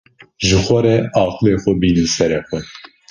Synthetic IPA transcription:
ʒɨxʷɛɾɛɑːqɨleːxʷɛbiːnɨnsɛɾɛxʷɛ

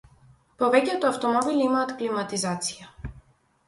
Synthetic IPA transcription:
povɛcɛt̪oaft̪omɔbilimaːt̪klimat̪izat̪si̥ja

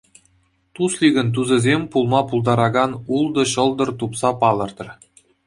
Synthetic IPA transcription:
t̪uslʲiɡʲɘ̆nt̪̬uzɘ̆zʲemʲpulˠmɑpulˠd̪ɑɾɑɡɑnulˠd̪ɤ̆ɕɤ̆lˠd̪ɤ̆rt̪upsɑpɑlˠɤ̆rt̪ɤ̆r

